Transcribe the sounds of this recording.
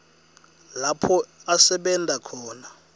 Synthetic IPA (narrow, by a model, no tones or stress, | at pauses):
lapʰɔasɛɓɛndʱʼakʰɔːna